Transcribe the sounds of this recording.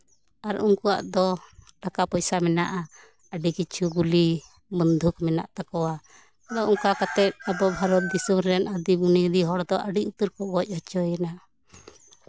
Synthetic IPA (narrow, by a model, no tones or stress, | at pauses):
aɾuŋkua̰ʔd̪ɔʈakapɔjsamɛnaʔa | əɖikit͡ʃʰuɡuli | bənd̪ʱukmɛna̰ʔt̪akɔwa | ad̪ɔʔɔŋkakat̪ɛt̪̚abɔbʱaɾɔt̪̚d̪isumɾɾɛnad̪ibunid̪iɦɔɽd̪ɔʔəɖiut̪əɾkɔɡɔc̚ˀhɔt͡ʃɔjɛnaʔ